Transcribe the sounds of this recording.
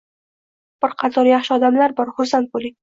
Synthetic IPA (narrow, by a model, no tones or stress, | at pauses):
b̥ɪɾqʰɑt̪ʰɒɾjɑχʃɪɒd̪amlaɾbɒɾχʊɾsant̪̚bolɪŋ